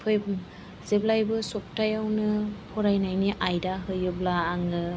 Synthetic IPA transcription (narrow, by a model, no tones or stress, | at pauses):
pʰɯj | z̥eblajbɯsɔk̚tajawnɯpʰɔɾajnajniʔajdaɦɯjɯblaːŋɯ